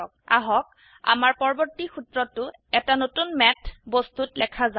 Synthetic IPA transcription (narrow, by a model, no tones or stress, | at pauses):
ɔka̰ɦɔk̚ | a̰maɹpɔɹɔbɔɹtixutɹɔtːʊ | ɛtanotunmɛtʰbɔst̪utlɛkʰaza